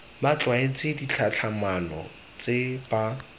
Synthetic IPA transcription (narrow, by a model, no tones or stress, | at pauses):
mat͡ɬwaɪt͡sʼɪdit͡ɬʰat͡ɬʰamanɔ̰ | t͡sʼɪba